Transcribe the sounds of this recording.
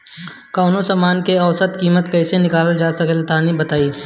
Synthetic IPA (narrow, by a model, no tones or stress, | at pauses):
kaːnõsaːmaːnkeɐʋsət̪kiːmət̪kɐɪsenɪkaːld͡ʒaːsɐkəlt̪ʰanĩbɐt̪aːiː